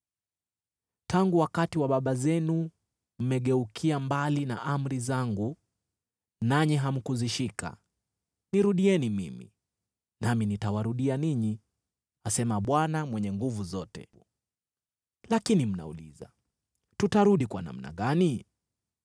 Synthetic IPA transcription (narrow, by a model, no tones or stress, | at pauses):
taŋɡuwakatiwaɓaɓazɛnu | m̩mɛɠɛukʰiambalina̰ʔam̩ɾizaŋɡu | naɲiɦam̩kuziʃika̰ | niɾuɗiɛnimimḭ | naminitawaɾuɗianiɲi | asɛmaɓwanamwɛɲɛŋɡuvuzɔtɛ̰ | lakinim̩na̰ṵlḭza̰ | tutaɾuɗikwa̰na̰m̩na̰ɠani